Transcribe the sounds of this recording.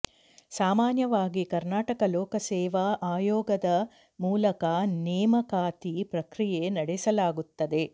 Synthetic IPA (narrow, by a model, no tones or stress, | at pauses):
saːmaːnjɐʋaːɡikɐɾnaːʈɐkɐlɔːkɐsɛːʋɐʔaːjɔːɡɐd̪ɐ | muːlɐkɐnɛːmɐkaːt̪ipɾɐkɾije̞nɐɽɛsɐlaːɡut̪ːɐd̪e̞